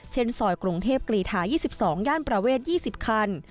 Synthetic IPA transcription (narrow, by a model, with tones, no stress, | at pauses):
t͡ɕʰe˥˩nsɔː˨˩jkɾu˧ŋt̪ʰeː˥˩p̚kɾiː˨˩t̪ʰaː˩˦jiː˥˩si˨˩p̚sɔː˩˦ŋjaː˥˩npɾa˧weː˥˩t̪̚jiː˥˩si˨˩p̚kʰa˧n